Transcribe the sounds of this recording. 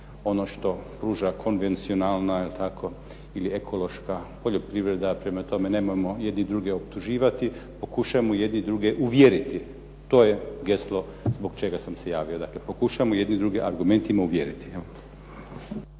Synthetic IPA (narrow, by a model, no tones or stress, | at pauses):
o̞no̞ʃt̪o̞pɾuːʒakʰo̞nʋe̞nt̪sio̞naːlˠnailt̪ʰakʰo̞ | ilie̞kʰo̞lo̞ʃkapoʎo̞pɾiʋɾe̞d̪apɾe̞mat̪o̞me̞ne̞mojmo̞je̞d̪nid̪ɾuɡeo̞pt̪uʒiːʋat̪ipo̞kuʃaemoje̞d̪nid̪ɾuɡeʔuʋjeɾit̪i | t̪oːjeɡe̞slˠo̞ | zbo̞ɡt͡ʃe̞ɡasamse̞jaːʋio̞d̪aklepo̞kuʃamoje̞d̪nid̪ɾuɡeʔaɾɡume̞nt̪imauʋjeɾit̪i̥eo